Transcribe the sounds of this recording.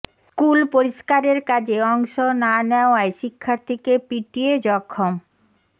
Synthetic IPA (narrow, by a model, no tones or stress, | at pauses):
skulpoɾiʃkaɾeɾkad͡ʑeɔŋʃonaneoaeʃikʰːaɾt̪ʰikepiʈied͡ʑɔkʰːom